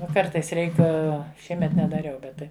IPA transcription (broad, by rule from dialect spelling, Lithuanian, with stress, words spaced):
ˈnʊ ˈkɐrtɐɪs ˈrʲɛɪk ˈʃʲiɛmʲɛt nʲɛdɐˈrʲɛʊ ˈbʲɛt tɐɪ